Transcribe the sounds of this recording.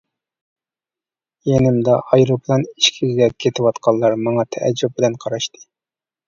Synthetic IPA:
jenɪmd̪ɑʔɑjɾoplˠɑni̥ʃkʲʰizɡʲɛp̚kʲʰet̪ʰɪwɑt̪qʰɑlˠːɑɾmɑŋɑt̪ʰɛʔɛ̰d͡ʒːup̚bɪlɛnqʰɑɾɑʃt̪ʰɨ̥

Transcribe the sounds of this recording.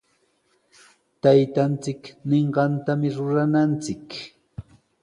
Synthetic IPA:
t̪ajt̪ant͡sɪkneɴɢɑnt̪amɪɾʊɾanant͡sɪk

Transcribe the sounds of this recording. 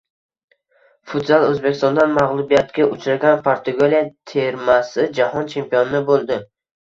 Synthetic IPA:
fʊt̪bolˠɵzbekʲɪst̪ɔnd̪anmaʁlˠʊbijat̪kʲaʔʊt͡ʃʰɾaɡʲanpʰaɾt̪ʰʊɡolʲjat̪ʰeɾmasɪd͡ʒahɒnt͡ʃʰe̞mpijonɪnɪbolˠd̪ɪ

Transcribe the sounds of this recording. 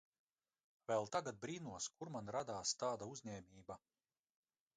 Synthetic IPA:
vɛlˠt̪aɡad̪̚bɾiːnuɔskuɾmanɾad̪aːst̪aːd̪auzʲɲɛːmʲiːba

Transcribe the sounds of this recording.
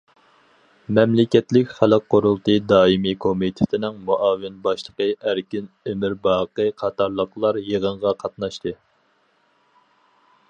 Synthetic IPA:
mɛmlɪkʲɛt̪lɪkʲχælˠɨqːoɾulˠt̪ɨd̪ɑːimikʰomit̪ʰɪ̥t̪ʰɪnɪŋmuʔɑːvɪnbɑʃlˠəqəæɾkʲin | emɪɾbɑːqəqʰɑt̪ʰɑɾlˠəqlˠɑɾjeʁəɴʁɑqʰɑt̪̚nɑʃt̪ɨ

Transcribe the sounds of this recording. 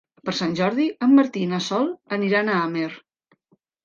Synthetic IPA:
pəɾsanʲʒɔɾðiəmːəɾt̪inasɔlˠəniɾanaamer

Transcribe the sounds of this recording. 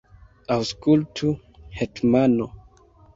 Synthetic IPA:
awskultʰu | hetmano

